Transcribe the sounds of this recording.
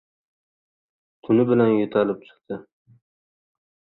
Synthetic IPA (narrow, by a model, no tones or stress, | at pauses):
t̪ʰʊnɪbɪlanjʊt̪ʰalɪp̚t͡ʃʰɨ̥qt̪ʰɪ